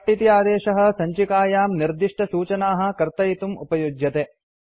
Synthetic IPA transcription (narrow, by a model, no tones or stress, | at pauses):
ʈit̪ijaːd̪eːʂɐɦɐ̆sɐɲt͡ʃikaːjaːmniɾd̪iʂʈɐsuːt͡ʃɐnaːɦɐ̆kɐɾt̪ɐjit̪umṵpɐjud͡ʒjɐt̪eː